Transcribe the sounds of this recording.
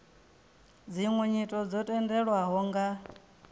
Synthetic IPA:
d͡ziŋwɛɲitʼɔd͡zɔtʼɛndɛɺwaɦɔŋɡa

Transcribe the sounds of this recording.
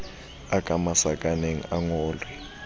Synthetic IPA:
akʼamasakʼaneŋ̩aŋɔːlwɛ

